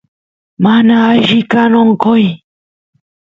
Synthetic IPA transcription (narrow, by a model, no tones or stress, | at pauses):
manaːjʒɪkanoɴqoj